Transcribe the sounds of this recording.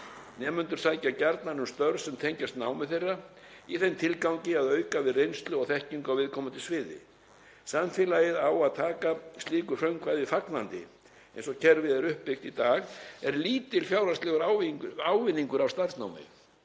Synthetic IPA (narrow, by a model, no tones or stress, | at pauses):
nɛːmʏnt̪ʏɾ̥saːjcacaɾt̪nanʏmst̪œɾsɛmt̪ʰejɲcast̪naːwmɪθejrːa | iθent̪ʰɪlkawɲcɪaðœːɥkavɪðrejnst̪lʏɔɣθɛhciŋkawvɪðkʰɔːmat̪ʰɪlsvɪːðɪ̰ | samfɪlajɪðawaðt̪ʰaːkast̪liːkʏfɾœɥmkʰvaːjðɪfaknant̪ɪ̰ | ɛ̰jnsɔcʰɛɾvɪðɛɾʏhpːɪxt̪it̪aːɣɛɾliːt̪ɪlfjaːwɾast̪lɛɣʏɾawvawvɪnːiŋkʏɾavst̪aɾsnawmɪ̰